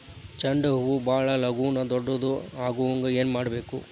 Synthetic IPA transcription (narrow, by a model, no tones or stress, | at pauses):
t͡ʃɐɳɖɐɦuʋubaːɭɐlɐɡuːnɐd̪ɔɖːɐd̪uaːɡuʋɐŋɡɐe̞ːnmaːɽɐbe̞ːku